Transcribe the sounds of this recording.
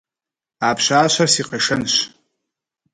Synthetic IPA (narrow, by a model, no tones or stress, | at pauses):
apʰʃʷaːʃʷarsiqʼaʂɐnʃʷ